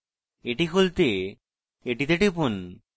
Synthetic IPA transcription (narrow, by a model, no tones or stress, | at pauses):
eʈikult̪e | eʈit̪eʈipun